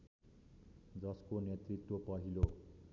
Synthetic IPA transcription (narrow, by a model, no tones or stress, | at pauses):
d͡zʌskonjet̪rit̪wopʌɦilo